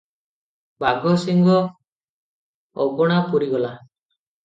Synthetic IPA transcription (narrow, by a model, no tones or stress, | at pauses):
baɡʱɔsiŋɡɔ | ɔɡɔɽ̃apuɾiɡɔla